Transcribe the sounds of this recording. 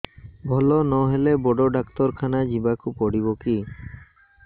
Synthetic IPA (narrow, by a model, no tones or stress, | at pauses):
bʱɔlɔnɔɦelebɔɖɔɖakt̪ɔɾkʰanad͡ʒibakupɔɽibɔki